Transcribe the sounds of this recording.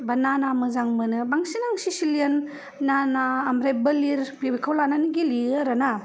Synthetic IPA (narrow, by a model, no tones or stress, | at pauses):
bananamɯzaŋmɯnɯbaŋsinaŋsisiliɐnː | anaːmɾebɯliɾpibikʰawlananiɡiliaɾana